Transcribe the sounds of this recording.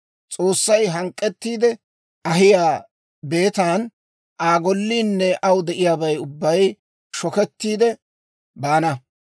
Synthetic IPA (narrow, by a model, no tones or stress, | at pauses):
t͡sʼo̞ːsːɐjɦɐŋkʼːɛt̪ːiːd̪ɛ | ɐɦɪjaː | be̞ːt̪aːn | ʔaːɡɔlːiːnːɛʔɐwd̪ɛʔɪjaːbɐjʊbːɐj | ʃɔkɛt̪ːiːd̪ɛ | baːnɐ